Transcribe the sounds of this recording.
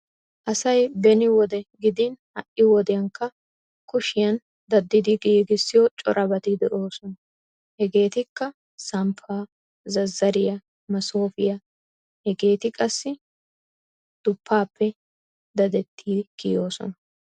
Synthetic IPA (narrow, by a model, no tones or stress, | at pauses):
ʔɐsɐjbɛnɪwɔd̪ɛɡɪd̪ɪnhɐʔɪwɔd̪ɛjɐŋkːɐ | kʊʃɪjɐn | d̪ɐd̪ːɪd̪ɪɡiɡɪsːɪjɔt͡ʃʼɔɾʔɐbɐt̪ɪd̪ɛʔo̞ːsɔnɐ | hɛɡe̞ːt̪ɪkːɐ | sɐmpʰːaː | zɐzːɐɾɪjɐ | mɐso̞ːfɪjɐ | hɛɡe̞ːt̪ɪkʼɐsːɪ | d̪̥ʊpʰːaːpːɛ | d̪ɐd̪ɛt̪ʰːiːɡ̥ɪjo̞ːsɔ̰nɐ